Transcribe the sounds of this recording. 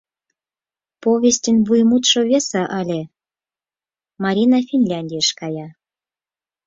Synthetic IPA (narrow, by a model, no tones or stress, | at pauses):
poβʲest̪ʲenβujmut̪ʃŏβʲesɑʔɑlʲe | mɑɾʲinɑfʲinlʲɑnʲdʲijəʃkɑjɑ